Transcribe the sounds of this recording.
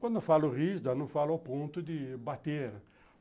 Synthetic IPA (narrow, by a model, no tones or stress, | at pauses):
kwɐ̃nd̪ʊfalʊrisd̪anɐ̃falʊawpõnt̪ʊd̪ɪbat̪eɾ